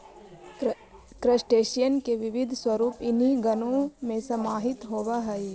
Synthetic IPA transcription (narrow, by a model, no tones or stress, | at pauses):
kɾəsʈeːʃijənkeʋɪʋɪd̪ʱswəɾuːpɪnɦiɡənõmẽsɐmaːɦɪt̪ɦoːʋaɦɛi